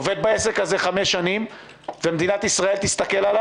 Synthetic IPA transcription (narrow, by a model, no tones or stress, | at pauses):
ove̞d̪̚baesekhaze̞χameʃːanim | vemed̪inat̪isʁae̞lt̪ist̪ɐke̞lala